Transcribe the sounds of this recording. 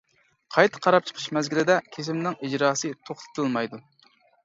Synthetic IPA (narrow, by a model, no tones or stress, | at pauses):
qʰɑjt̪ʰɨ̥qʰɑɾɑp̚t͡ʃʰə̥qʰə̥ʃmɛzɡʲilɪd̪ɛkʲʰesɪmnɪŋid͡ʒɾɑːsɨt̪ʰoχt̪ʰɨ̥t̪ʰɨlˠmɑjd̪u